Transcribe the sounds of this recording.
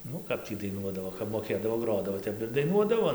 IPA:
ˈnʊ ˈkɐp tʲiː dɐɪˈnuɔdɐʋoː kɐp moːˈkʲeːdɐʋoː ˈɡroːdɐʋoː ˈtʲɛp ɪr dɐɪˈnuɔdɐʋoː

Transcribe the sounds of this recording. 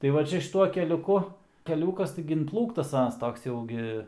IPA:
tɐɪ ˈʋɐ ˈt͡ʃʲɛ ʃʲɪˈtuɔ kʲɛlʲʊˈkʊ kʲɛˈlʲuːkɐs ˈtɐɪɡʲɪ ɪnˈplˠuːktɐs ˈɑːnɐs ˈtoːks ˈjɛʊ ɡʲɪ

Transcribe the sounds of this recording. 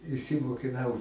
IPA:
ɪʃʲsʲɪmoːkʲɪˈnɐʊ

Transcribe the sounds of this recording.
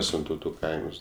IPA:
ˈsʲɪntɐʊtʊ ˈkɐɪms

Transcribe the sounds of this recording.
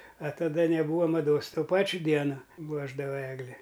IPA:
ɐ tɐˈdɐ nʲɛˈbuːʋɐ mɐˈdoːs ˈtoː ˈpɑːt͡ʃʲʊ ˈdʲiɛnoː ˈpuɔʒdɐʋɐ ˈæːɡlʲɪ

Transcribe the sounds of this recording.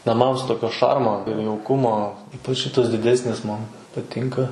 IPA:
nɐˈmɐms ˈtoːkʲoː ˈʃɐrmoː ɪr jɛʊˈkʊmoː ˈiːpɐt͡ʃ ˈʃʲɪtɐs dʲɪˈdʲæːsʲnʲɪs ˈmɐn pɐˈtʲɪŋkɐ

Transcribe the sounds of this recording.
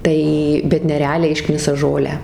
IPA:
ˈtɐɪ bʲɛt nʲɛrʲɛˈɑːlʲɛɪ ˈɪʃknʲɪsɐ ˈʒoːlʲæː

